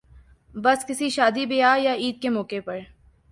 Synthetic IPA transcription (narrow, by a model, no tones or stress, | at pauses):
bɐskɪsiʃaːd̪ibɪjajaiːd̪̚kemɔːkepɐɾ